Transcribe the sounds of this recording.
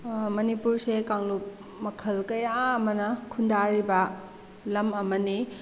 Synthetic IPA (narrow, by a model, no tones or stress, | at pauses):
mɐnipuɾsekaŋlup̚ | mɐkʰɐlkɐjaɐmɐnɐkʰundaɾibɐ | lɐmɐmɐni